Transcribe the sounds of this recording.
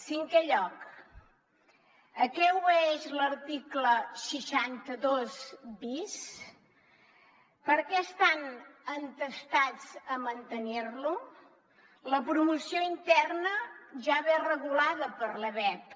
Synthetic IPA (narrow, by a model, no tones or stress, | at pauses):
siŋkɛʎɔk | əkɛweʃləɾt̪ikləsəʃant̪əðozbis | pəɾkɛəst̪anənt̪əst̪ad͡zəmənt̪ənirlu | ləpɾumusioint̪ɛrnəʒaβerəɣulaðəpəɾləβɛp̚